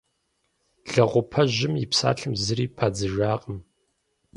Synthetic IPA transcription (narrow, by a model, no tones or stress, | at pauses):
ɮɐʁʷʊpʰɐʑɪmjɪpsa̰ːɬɨmzɨɾiːpʰaːd͡zɨʒaːʁəm